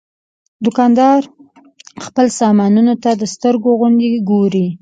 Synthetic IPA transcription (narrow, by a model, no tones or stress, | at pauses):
d̪ʊkɑnd̪ɑɾ | xpəlsɑmɑnunot̪ad̪əst̪əɾɡoɣʊɳd̪eɡoɾi